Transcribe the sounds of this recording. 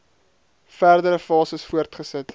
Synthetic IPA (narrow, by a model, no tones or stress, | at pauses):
fæːrdəɾəfɑːsəsfuətχəsət